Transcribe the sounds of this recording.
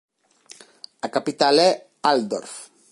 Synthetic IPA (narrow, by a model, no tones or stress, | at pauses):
akapit̪alɛ | ald̪ɔ̰ɾf